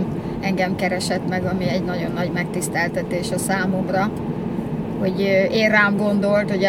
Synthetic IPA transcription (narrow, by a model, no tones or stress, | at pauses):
m | ɛŋɡɛmkɛɾɛʃɛt̪mɛɡɒmiɛɟnɒɟo̞nːɒɟmɛk̚t̪ist̪ɛlt̪ɛt̪eːʃɒsaːmomrɒ | ho̞ɟeːraːmɡo̞nd̪o̞lt̪ho̞ɟɛ